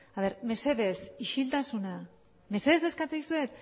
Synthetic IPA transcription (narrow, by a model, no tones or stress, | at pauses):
aβe̞ɾme̞se̞ðe̞siʃilt̪asuna | me̞se̞ðe̞ze̞skat͡sejsue̞t̪